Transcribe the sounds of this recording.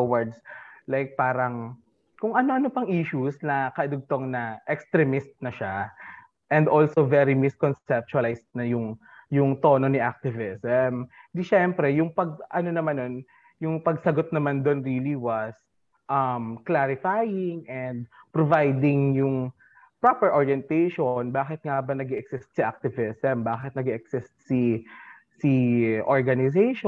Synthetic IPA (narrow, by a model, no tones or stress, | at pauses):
wɐɹd̪slajk̚paːɾɐŋ | kʊŋʔɐno̞ʔɐnopɐŋʔiʃusnɐkɐʔɪd̪ʊɡ̚t̪o̞ŋnɐʔɛkst̪ɾɛmɪst̪̚nɐʃa | ʔɛnd̪ʔolsovɛɾimɪskonsɛp̚t͡ʃʊɐlajst̪̚nɐjʊŋ | jʊŋt̪o̞noniʔak̚t̪ɪvɪsɛmd̪iʃɛmpɾɛjʊŋpɐɡ̚ʔɐno̞nɐmanːon | jʊŋpɐɡsɐɡot̪̚nɐmand̪onɹiːliwɐs | ʔɐmklaɾɪfajɪŋʔɛnd̪̚pɾovajd̪ɪŋjʊŋ | pɹapɛɹʔoɹjɛnt̪ejʃonbaːkɪt̪̚ŋabɐnɐɡɛʔɛksɪst̪̚siʔak̚t̪ɪvɪsɛmbaːkɪt̪nɐɡɛʔɛksɪst̪̚si | siʔoɹɡɐnɪsejʃo